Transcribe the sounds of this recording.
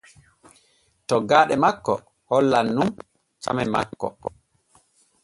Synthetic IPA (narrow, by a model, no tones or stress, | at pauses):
tɔɡaːɗɛmakːɔ̰ | hɔlːanːum | t͡ʃa̰mɛma̰kːɔ̰